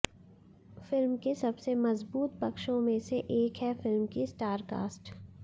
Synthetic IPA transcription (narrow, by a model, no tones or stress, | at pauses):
fɪlmkesɐbsemɐzbuːt̪̚pɐkʃõmẽseʔeːkɦɛfɪlmkisʈaːɾka̰ːsʈ